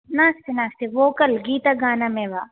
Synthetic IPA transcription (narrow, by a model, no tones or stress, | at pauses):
naːst̪inaːst̪iʋoːkɐlɡiːt̪aɡaːnamẽʋaː